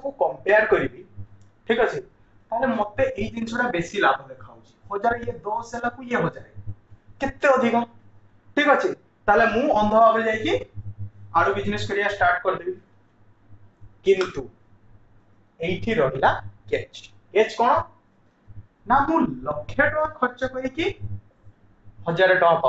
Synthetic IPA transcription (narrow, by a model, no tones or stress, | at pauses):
kũkɔmpeɾkɔɾibi | ʈʰikat͡ʃʰi | t̪aɦelemɔt̪eʔejd̪insʰɔɽabesilabʱɔd̪ekʰawt͡ʃʰi̥hɔd͡ʒaɾjed̪ɔselakuijeɦɔd͡ʒaɾeket̪ːeɔd̪ʱikɔ | ʈʰikat͡ʃʰi | t̪aɦelemũɔnd̪ʱɔbabed͡ʒajki | aɾubid͡ʒneskɔɾijasʈaɾʈkɔɾit̪ibi | kint̪u | ejʈʰiɾɔɦilaket͡ʃ | ket͡ʃkɔɽ̃ɔ | namũlɔkʰːeʈɔ̃akʰɔɾt͡ʃɔkɔiki | hɔd͡ʒaɾeʈɔ̃ãpa